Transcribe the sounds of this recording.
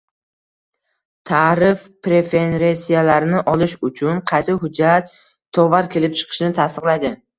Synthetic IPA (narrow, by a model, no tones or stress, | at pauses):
t̪ʰaɾɪfpɾe̞fe̞nɾesijalaɾnɪʔɒlɪʃʊt͡ʃʰʊnqʰɑjsɪɦʊd͡ʒːat̪ʰː | ɒvaɾkʲʰe̞lɪp̚t͡ʃʰɨ̥qʰɨ̥ʃnɪt̪ʰast̪ɨqlˠajd̪ɪ